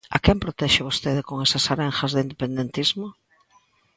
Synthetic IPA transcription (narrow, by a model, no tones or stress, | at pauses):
a̰kɛmpɾot̪ɛʃɪβost̪eðɪkoŋesɐsaɾeŋxɐzðɪind̪epend̪ent̪izmo